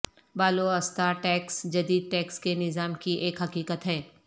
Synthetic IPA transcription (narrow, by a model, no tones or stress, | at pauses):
baːloɐst̪aʈɛːksd͡ʒɐd̪iːd̪̚ʈɛːkskenɪzaːmkiʔeːkɦɐkiːkət̪ɦɛː